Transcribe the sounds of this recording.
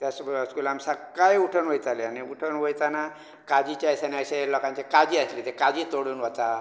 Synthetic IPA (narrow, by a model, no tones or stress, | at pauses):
t̪asbəskulamsakːajuʈʰənʋojt͡s̪aleaniuʈʰənʋojt͡sana | kad͡ʑit͡ɕjajsenaselɔkãɲt͡ɕekad͡ʑiːəslet̪ekad͡ʑiːt̪oɽuːnʋɔt̪a